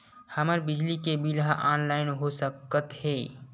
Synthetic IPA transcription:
hɐməɾbɪd͡ʒlikebʱilɦaʔaːnlaːɪnɦosəkət̪ɦɛː

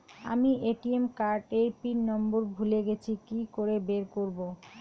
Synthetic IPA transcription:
a̰miʔeʈiemkaɾʈeɾpinnɔmboɾbʱuleɡet͡ɕʰikikoɾebeɾkoɾbo

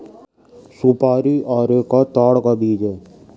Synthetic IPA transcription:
supaːɾiʔaːɾekat̪aːɽkabʱiːd͡ʒeː

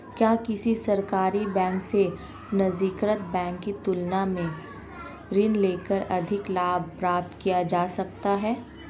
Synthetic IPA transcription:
kjaːkɪsisɐɾkaːɾibɛ̃ːŋkse | nɐzikɾət̪̚bɛ̃ːŋkːit̪ʊlnamẽ | ɾɪnleːkəɾɐd̪ʱɪklaːb̚ʱpɾaːp̚t̪kijad͡ʒaːsɐk̚t̪aɦɛː

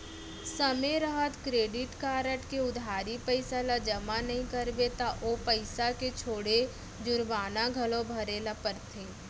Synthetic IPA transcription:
səmeɾəɦət̪kɾeːɖɪʈkaːɾəʈkeʊd̪ʱaːɾipəɪsalad͡ʒɐmanɐɦĩkəɾbet̪aʔopəɪsaket͡ʃʰoːɽe | d͡ʒʊɾbaːnaɡʱəlõbʱɐɾeːlapəɾt̪ʰeː

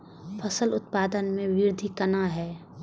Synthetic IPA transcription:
pʰəsəlʊt̪̚paːd̪ənmẽʋɪɾd̪ʱikənaɦɛː

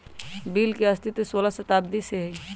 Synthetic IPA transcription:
biːlkeəst̪ɪt̪soːlasət̪aːb̚d̪iseɦi

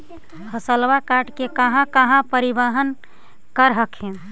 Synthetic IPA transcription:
həsəlwakaʈkekəɦãkəɦãpəɾibəɦən | kəɾɦəkɦɛ̃

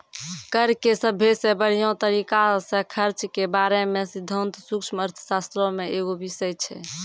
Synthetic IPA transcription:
kəɾkesəbʱːesẽbəɽ̤ijõt̪əɾikasẽkʰəɾt͡ʃkebaɾemesid̪ʱənt̪sukʃməɾt̪ʰə̥sast̪ɾɔ̃meʔeɡobisəjt͡ʃʰɛ̰

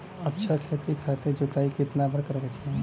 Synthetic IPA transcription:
ɐtːʃʰakʰeːt̪ikʰat̪ed͡ʒot̪aːikɪt̪nabəɾkɐɾkat͡ʃʰaẽ

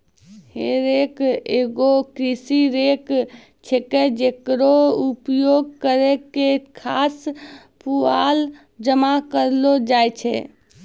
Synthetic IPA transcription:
heɾekeɡokɾisiɾek | t͡ʃʰeked͡ʒekɾoupjoɡ̚kəɾekekʰas | pual | d͡ʒəmakəɾlod͡ʒajt͡ʃʰɛ

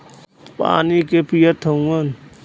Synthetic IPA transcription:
pa̰ːnikepijət̪ʰəũən

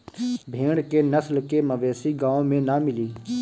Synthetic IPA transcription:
bʱeːɽkenəslkeməʋeːsiɡãːõmẽnamɪliː

